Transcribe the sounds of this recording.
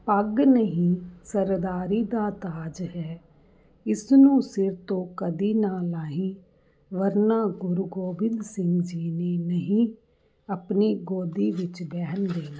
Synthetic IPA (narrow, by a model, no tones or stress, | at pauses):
pəɡnəɦĩːsəɾd̪aːɾiːd̪aːt̪aːd͡ʒɦɛː | ɪsnũːsɪɾt̪õːkəd̪iːnaːlaːɦĩː | ʋəɾnaːɡʊɾɡoːbɪnd̪sɪ̃ŋɡd͡ʒiːneːnəɦĩː | əpniːɡoːd̪iːʋɪt͡ʃbɛːɦənd̪eːnaː